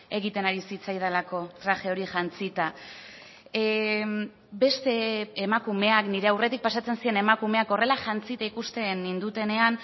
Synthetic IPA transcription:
e̞ɣit̪e̞naɾisit͡sajðalako̞t̪ɾaʝe̞o̞ɾiʝant͡sit̪a | be̞st̪e̞ːmakume̞akniɾe̞awre̞t̪ik̚pasat͡sensie̞ne̞makume̞ako̞re̞laʝant͡sit̪aikust̪e̞nind̪ut̪e̞ne̞an

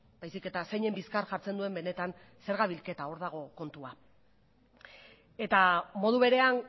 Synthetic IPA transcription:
b̥ajsike̞t̪ase̞jɲe̞mbiskaɾʝaɾt͡se̞nd̪ue̞mbe̞ne̞t̪an | se̞ɾɣaβilke̞t̪ao̞ɾðaɣ̞o̞ko̞nt̪ua | e̞t̪amo̞ð̞uβe̞ɾe̞an

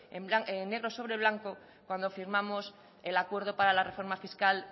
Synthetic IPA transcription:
emblaene̞ɣ̞ɾo̞so̞βɾeβ̞laŋko̞ | kwand̪o̞fiɾmamo̞s | elakwe̞ɾð̞o̞paɾalare̞fo̞ɾmafiskal

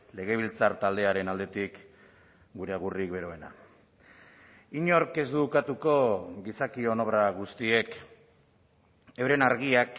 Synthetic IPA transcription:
le̞ɣ̞e̞β̞ilt͡saɾt̪ald̪e̞aɾe̞nald̪e̞t̪ik | ɡuɾe̞aɣ̞urik̚be̞ɾo̞e̞na̰ | iɲo̞ɾke̞zd̪ukat̪uko̞ɣisakio̞noβɾaɣ̞ust̪ie̞k | ewɾe̞naɾɣ̞iak

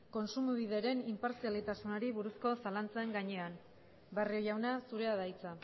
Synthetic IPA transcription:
ko̞nsumuβiðe̞ɾe̞nimpaɾsialit̪asunoɾiβuɾusko̞salant͡saeŋɡaɲe̞an | bariojawnasuɾe̞aðajt͡sa

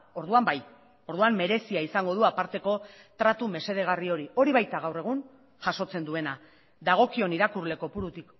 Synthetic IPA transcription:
o̞ɾðuambaj | o̞ɾðuamːe̞ɾe̞siaisaŋɡo̞ð̞uapaɾt̪e̞ko̞ | t̪ɾat̪ume̞se̞ð̞e̞ɣ̞ario̞ɾio̞ɾiβ̞ajt̪aɣ̞awre̞ɣ̞un | ʝaʃo̞t͡se̞nd̪ue̞na | ðaɣ̞o̞kio̞niɾakuɾle̞ko̞puɾut̪ik

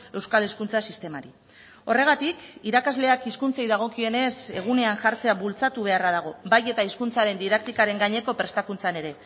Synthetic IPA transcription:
e̞wskaleskunt͡sasist̪e̞maɾi | o̞re̞ɣat̪ikiɾakazle̞akiskunt͡sejðaɣ̞o̞kie̞ne̞se̞ɣ̞une̞anʝaɾt͡se̞aβult͡sat̪uβ̞e̞araðaɣ̞o̞baje̞t̪aiskunt͡saɾe̞nd̪iðak̚t̪ikaɾe̞ŋɡaɲe̞ko̞pɾe̞st̪akunt͡sane̞ɾe̞

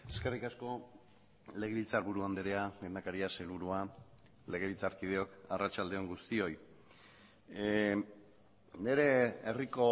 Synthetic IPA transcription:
e̞skerikasko̞ | le̞ɣ̞eβit͡saɾβuɾuand̪eɾeaɡe̞nd̪akaɾiaselβuɾua | le̞ɣ̞eβit͡saɾkið̞e̞o̞karat͡ʃald̪eo̞ŋɡust̪io̞j | ne̞ɾe̞eriko

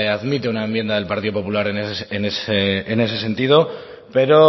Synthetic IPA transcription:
aðmit̪eunaembje̞nd̪aðe̞lpaɾt̪iðo̞po̞pulaɾeneseneseene̞se̞se̞nt̪ið̞o̞ | pe̞ɾo̞

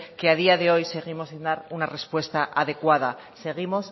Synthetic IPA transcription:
ke̞aðiaðe̞o̞jse̞ɣ̞imo̞sind̪aɾunare̞spwe̞st̪aʔaðe̞kwaða | se̞ɣ̞imo̞s

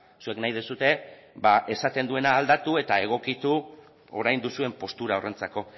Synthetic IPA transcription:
sue̞knajð̞esut̪e̞baʔe̞sat̪e̞nd̪ue̞naːld̪at̪ue̞t̪ae̞ɣ̞o̞kit̪u | o̞̰ɾajnd̪usue̞mpo̞st̪uɾao̞rʔe̞nt͡sako̞

